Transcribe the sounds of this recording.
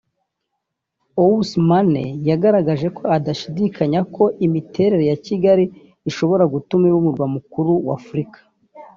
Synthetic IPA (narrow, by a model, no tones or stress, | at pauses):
owusmanḛjaɡaɾaɡaʒeko̞adaʃidikʰaɲakʰo̞ʔimitʰe̞ɾe̞ɾe̞jaciɡaɾiː | ʃo̞βo̞ɾaɡutumewumuɾɡwamukuɾuwa̰fuɾikḁ